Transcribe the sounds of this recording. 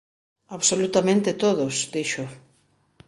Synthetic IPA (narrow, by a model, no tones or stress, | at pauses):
aβsolut̪amẽnt̪ɪt̪oðʊsd̪iʃʊ